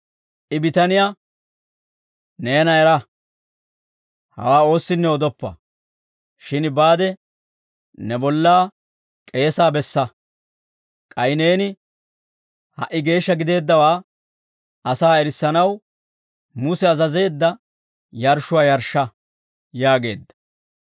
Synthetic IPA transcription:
ʔɪbɪt̪ɐnɪja | nenɐɛɾɐ | hɐ̰waːo̞ːsːɪnːɛɔd̪ɔpːɐ̰ | ʃɪnbaːd̪ɛ | nɛbɔlːaː | kʼe̞ːsaːbɛsːɐ | kʼɐjɪne̞ːnɪ | hɐ̰ʔɪɡe̞ːʃːɐɡɪd̪e̞ːd̪ːɐwaː | ɐsaːɛɾɪsːɐnɐw | mʊsɛɐzɐze̞ːd̪ːɐ | jɐɾʃːʊwaːjɐɾʃːɐ | jaːɡe̞̰ːd̪ːɐ̥

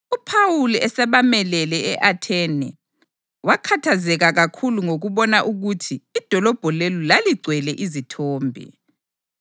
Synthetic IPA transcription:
upʰawuliɛsɛβamɛlɛlɛɛʔatʰɛnɛ | wakʰatʰazɛɣaɣakʰuluŋoɣuβɔnaʔuɣutʰiːd̥ʱɔlɔb̥ʱɔlelulaliɡ͡ǀʱwɛlɛʔizitʰɔːmbʱḭ

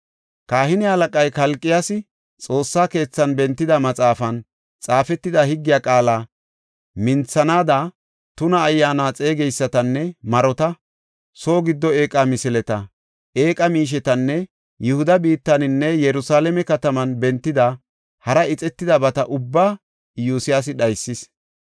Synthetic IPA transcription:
kaːhɪnɪhɐlɐkʼɐjkɐlkʼːɪjasɪ | t͡sʼo̞ːsːaːke̞ːt͡sːɐnbɛnt̪ːɪd̪ɐmɐt͡sʼaːfɐn | t͡sʼaːfɛt̪ːɪd̪ɐhɪɡːɪjaːkʼaːlaː | mɪnt͡sːɐnaːd̪a | t̪ʊnɐːjːaːnaːt͡sʼe̞ːɡɛjsːɐt̪ɐnːɛmɐɾɔt̪ɐ | so̞ːɡɪd̪ːɔe̞ːkʼːamɪsɪlɛt̪ɐ | ʔe̞ːkʼɐmiːʃ̬ɛt̪ɐnːɛ | jʊhʊd̪ɐbiːt̪ːɐnɪnːɛjɛɾʊsaːlɛmɛkɐt̪ɐmɐnbɛnt̪ːɪd̪ɐ | hɐɾɐɪt͡sʼɛt̪ːɪd̪ɐbɐt̪ɐʔʊbːaː | juːsɪjaːs̬ɪɗɐjsːɪs

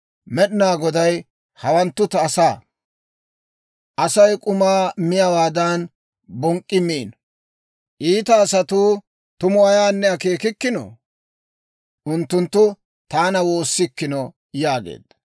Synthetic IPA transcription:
mɛɗɪnaːɡɔd̪ɐj | hɐwɐnt̪ːʊt̪ɐːsaː | ʔɐsɐjkʼʊmaːmɪjɐwaːd̪ɐn | bɔŋkʼːɪmiːn | ʔiːt̪ɐːsɐt̪uː | t̪ʊmʊɐjaːnːɛɐkeːkɪkːɪno̰ | ʔʊnt̪ːʊnt̪ːʊ | t̪aːnɐwo̞ːsːɪkːɪnɔ | jaːɡḛːd̪̥ɐ

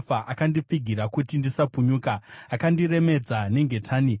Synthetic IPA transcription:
faʔakandip͡fiɡʱiɾakutindisapuɲuːkaːkandire̞me̞d͡zane̞ŋɡe̞tʰaːni

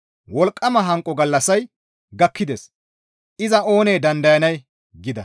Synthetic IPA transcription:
wɔlkʼːɐmɐɦɐŋkʼɔɡɐlːɐsɐj | ɡɐkːɪd̪eːs | ɪzɐo̞ːneːd̪ɐnd̪ɐjɐnɐj | ɡɪd̪ɐ

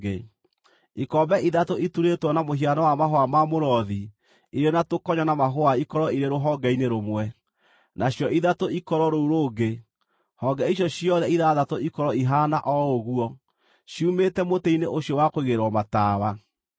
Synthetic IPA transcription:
e | ikɔbɛʔiðatoʔituɾetwɔnamoɦianawamaɦoamamoɾɔði | iɾenatokɔɲɔnamaɦoaikɔɾɔiɾeɾoɦɔɡɛineɾomwɛ | nʔaɕjɔʔiðatoikɔɾɔɾouɾoːɡe | hɔɡɛiɕjɔɕjɔðɛiðaðatoikɔɾɔiɦanaʔɔoɣuɔ | ɕiumetɛmoteineʔoɕjɔwakoiɣeɾwɔmatawa

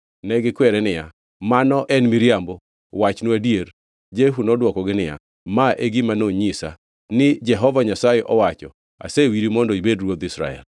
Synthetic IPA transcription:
nɛɡɪkwɛɾɛnɪja | manɔʔɛnmiɾjambo | wat͡ʃnuadieɾ | d͡ʒeɦunɔdwɔkɔɡɪnɪja̰ | maʔeɡimanoɲisa̰ | nɪd͡ʒɛɦɔvaɲasajɛʔɔwat͡ʃɔ | a̰sewiɾimɔndɔibedrwod̪isɾa̰ɛ̰l

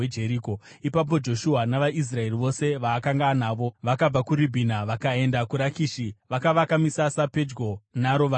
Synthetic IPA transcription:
ed͡ʒe̞ɾiːko̞ | ipap̬o̞d͡ʒo̞ʃuɦanaʋaʔis̬rae̞riʋo̞se̞ʋaːkaŋɡanaːʋo̞ʋakab͡vakuɾibʱinaʋakae̞ndakuɾakiːʃiʋakaʋakamisasape̞d͡ʒɡo̞naɾo̞ʋa

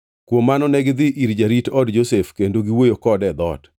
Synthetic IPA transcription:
kwomːanɔnɛɡɪd̪ɪʔiɾd͡ʒaɾitɔdd͡ʒosefkendoɡiwojokɔdɛd̪ɔ̰t

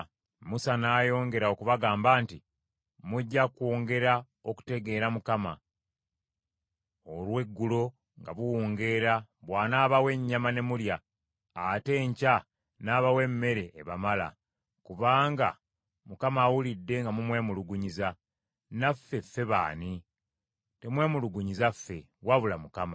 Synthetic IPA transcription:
musanaːjo̞ːŋɡe̞ɾao̞kuβaɡaːmbaːnti | muɟːakwoːŋɡe̞ɾa | oku̥te̞ɡe̞ːɾamukama̰ | olwe̞ɡːulo̞ | ŋɡa̰βuwoːŋɡe̞ɾaβwaːnaːβawe̞ɲːamane̞muljaː | te̞ːɲca | naːβawe̞mːe̞ɾe̞ʔːβamala̰ | kuβaːŋɡa̰ | mukamaːwulidːe̞ŋɡamumwe̞ːmuluɡuɲiza | nafːe̞fːe̞βa̰ːni | te̞mwe̞ːmuluɡuɲizafːe̞̰ | waβulamukama

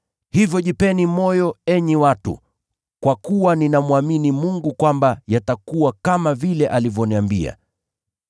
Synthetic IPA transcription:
hivjɔʄipɛnimɔjɔɛɲiwatṵ | kwakuwaninamuaminimuŋɡukwambajatakuwakamavilɛʔalivjɔniambia̰

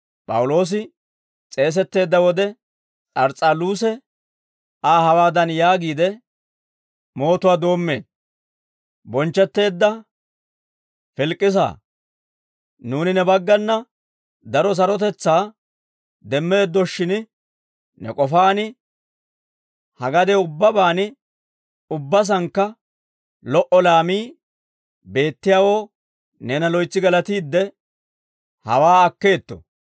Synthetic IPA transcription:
pʼɐ̰wʊlo̞ːs̬ɪ | t͡sʼe̞ːs̬ɛt̪ːe̞ːd̪ːɐwɔd̪ɛ | t͡sʼɐɾt͡sʼaluːsɛ | aːhɐwaːd̪ɐnjaːɡiːd̪ɛ | mo̞ːt̪ʊwaːd̪o̞ːmːe̞̰ːn | bɔnt͡ʃːɛt̪ːe̞ːd̪ːɐ | fɪlkʼːɪs̬a̰ː | nuːnɪnɛbɐɡːɐnːɐ | d̪ɐɾɔs̬ɐɾɔt̪ɛt͡sːaː | d̪ɛmːeːd̪ːɔʃːɪnɪ | nɛ̰kʼɔfaːnɪ | hɐɡɐd̪ɛʊbːɐbaːnɪ | ʊbːɐs̬ɐŋkːɐ | lɔʔɔlaːmiː | be̞ːt̪ːɪjaːwoː | neːnɐlɔjt͡sːɪɡɐlɐt̪iːd̪ːɛ | hɐ̰waːɐkːe̞ːt̪ːɔ̰

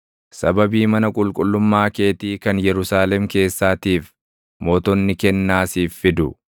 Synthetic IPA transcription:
sɐbɐbiːmɐnɐkʼʊlkʼʊlːʊmːaːkeːt̪iːkɐnjɛɾʊsaːlɛmke̞ːsːaːt̪iːf | moːt̪ɔnːɪkɛnːaːsiːfːɪd̪ʊ

